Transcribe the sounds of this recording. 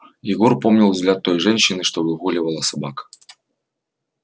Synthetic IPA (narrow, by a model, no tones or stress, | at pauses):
jɪɣɔrpomnʲilˠzɡlʲat̪ːo̞jʐɛnɕːɪnɨʂt̪obɨɣulʲɪvəlˠəsɐbakə̥